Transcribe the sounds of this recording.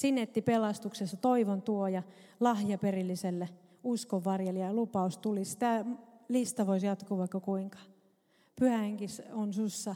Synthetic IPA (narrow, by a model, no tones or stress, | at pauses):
sinːet̪ːipelɑst̪uksesːɑt̪oiʋont̪uojɑ | lɑhjɑperilːiselːe | uskoʋːɑrjeliɑjɑlupɑust̪ulisi̥t̪ælist̪ɑʋoisjɑt̪kuːʋɑikːɑkuiŋkɑ̥ | pyhæheŋkisonsusːɑ